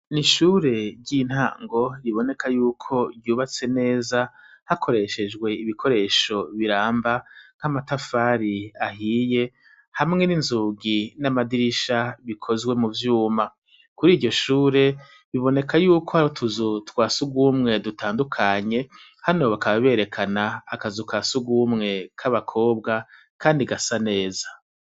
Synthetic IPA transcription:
niʃuːɾe̞ɾɟin̥ha̰ːŋɡo̞ɾiβo̞ne̞kʰajuːkʰo̞djuːβat͡se̞ne̞ːzahakʰo̞ɾe̞ʃe̞d͡ʒɡwe̞iβikʰo̞ɾe̞ːʃo̞βiɾaːmbaŋ̥hamatafaɾiahiːje̞ | hamŋe̞ninzuːɡinamadiɾiʃaβikʰo̞zɡwe̞muvjuːma | kuɾiːɟo̞ʃuːɾe̞ | βiβo̞ne̞kʰajuːkʰo̞haɾotʰuzutwaːsuɡumŋe̞dutaːndukʰaɲe̞ | hano̞βakaβaβe̞ːɾe̞kʰanaːkazukʰasuɡumŋe̞kʰaβakʰo̞ːbɡa | kʰaːndiɡasane̞ːzḁ

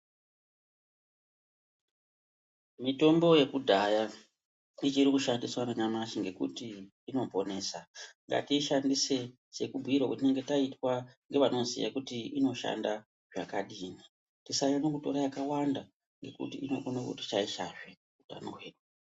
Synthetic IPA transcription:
mito̞mbo̞je̞kudʱaja | it͡ʃiɾikuʃandiswananamat͡ʃiŋɡe̞kṵtiː | no̞po̞ne̞ːsaŋɡa̰tiʃandise̞ | se̞kubʱuiɾwakutine̞ŋɡe̞taitwaŋɡe̞ʋano̞zḭja̰kutiino̞ʃa̰nda | ʐa̰kaɗiːni | tisajanokuto̞̰ɾajakawanda | ŋɡe̞kṵtionokṵti̥t͡ʃaiʃaʐe | uta̰noweːɗwa

